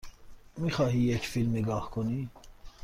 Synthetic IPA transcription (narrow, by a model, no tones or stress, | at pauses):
miχɑɦijɛt͡ʃʰfilmiɡɑχkʰɔni